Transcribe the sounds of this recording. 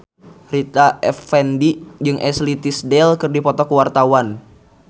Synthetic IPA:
rit̪aɛfɛndid͡ʒɨŋʔɛslit̪isdɛlkɨrdipɔt̪ɔkəwart̪awan

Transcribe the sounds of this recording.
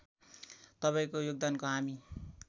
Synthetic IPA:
t̪ʌpaĩkojoɡ̚d̪ankoɦami

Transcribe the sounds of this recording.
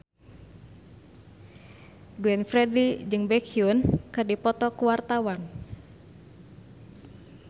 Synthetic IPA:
ɡlɛnfɾɛdid͡ʒɨŋbɛkʰiunkɨrdipɔt̪ɔkuwart̪awan

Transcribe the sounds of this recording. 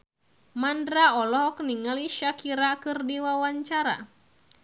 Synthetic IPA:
mandɾaɔlɔɦɔk̚niŋaliʃakiɾakɨrdiwawaɲt͡ʃaɾa̰

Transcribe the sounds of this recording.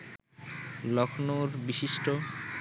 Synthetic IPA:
lɔkʰnoɾbiʃiʃʈo

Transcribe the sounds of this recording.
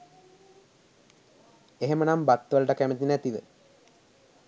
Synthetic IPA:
eɦemənambat̪ːəʋələʈəkæmət̪inæt̪id̪ə̰

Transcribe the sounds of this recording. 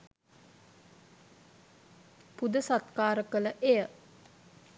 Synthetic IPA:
pud̪əsat̪kaːɾəkələʔejə

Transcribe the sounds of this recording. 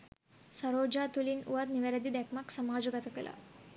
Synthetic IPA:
sɐɾoːd͡ʒaːt̪ulinṵʋɐt̪niʋɐɾɐd̪id̪ekmɐksɐmaːd͡ʒuɡɐt̪ɐkɐlʔɐ̰

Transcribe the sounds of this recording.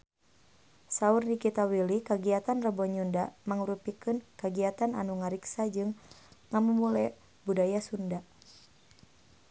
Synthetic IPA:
saurnikit̪awilikaɡiat̪anrəbɔɲundamaŋuɾupikɨnkaɡiat̪ana̰nuŋaɾiksad͡ʒɨŋŋamumulɛ | budajasunda

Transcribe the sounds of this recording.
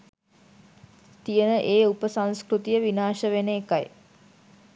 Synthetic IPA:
t̪ijənəʔeːupəsãŋskrut̪ijəʋinaːʃəʋeneːkaj

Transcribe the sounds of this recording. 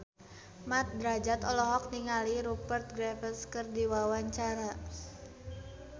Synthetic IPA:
mat̪̚d̪ɾad͡ʒat̪ɔlɔɦɔk̚niŋaliɾupərt̪̚ɡɾɛfəskɨrdiwawaɲt͡ʃaɾa

